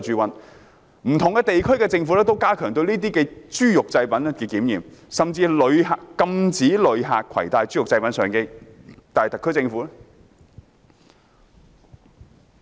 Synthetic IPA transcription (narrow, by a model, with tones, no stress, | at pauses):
t͡ʃyː˧wɐ˨˥n | m̩˨˩t̪ʰʊ˨ŋkɛː˧t̪e˨jkʰɵ˥ɥkɛː˧t͡sɪ˧ŋfuː˨˥lɛː˥t̪o˥wkaː˥kʰœː˨˩ŋt̪ɵ˧wniː˥t̪iː˥kɛː˧t͡ʃyː˥jʊ˨k̚t͡sɐ˧jpɐ˨˥n˥kɛː˧kiː˨˥mjiː˨˩msɐ˨mt͡siː˧lɵ˨˧ɥhaː˨kɐ˧mt͡siː˨˥lɵ˨˧ɥɦa̰ː˨kkʰɐ̰˨˩jt̪aː˧jt͡ʃyː˥jʊ˨k̚t͡sɐ˧jpɐ˨˥nsœː˨˩ŋkɛ˧t̪aː˨jt̪ɐ˨kʰːɵ˥ɥt͡sɪ˧ŋfuː˨˥